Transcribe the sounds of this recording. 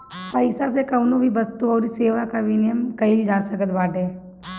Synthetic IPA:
pəɪsasekəʊnõbʱibəst̪uɔːɾiseːʋakaʋɪnɪjəmkɐilid͡ʒaːsəkət̪ʋaːɖɛː

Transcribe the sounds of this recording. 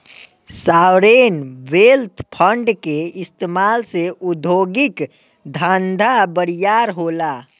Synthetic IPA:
saːwɾeːnʋeːlt̪ʰpʰə̃ɳɖkeɪst̪eːmaːlseʔʊd̪ʱoːɡɪk | d̪ʱãːnd̪ʱabəɾijaːɾɦoːlaː

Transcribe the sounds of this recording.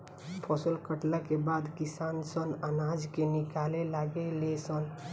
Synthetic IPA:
pʰɔsəlkəʈlakebad̪kisansənanad͡ʒkenikalelaɡelesən

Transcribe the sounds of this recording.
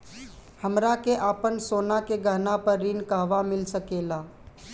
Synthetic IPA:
həmɾakeʔaːpənsoːnakeɡəɦnapəɾːiːnkaɦʋamɪlsəkeːlaː

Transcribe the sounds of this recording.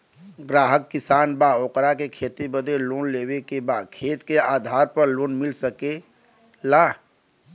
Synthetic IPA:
ɡɾaːɦəkːisaːnbaoːkɾakekʰeːt̪ibəd̪eloːnleːwekebadkʰeːt̪keaːd̪ʱaːɾpəɾloːnmilsəke | laː

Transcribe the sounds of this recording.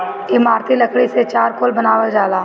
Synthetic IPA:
ɪmaːɾt̪ʰiləkʰɽiset͡ʃaːɾkoːlbənaːʋəld͡ʒaːlaː

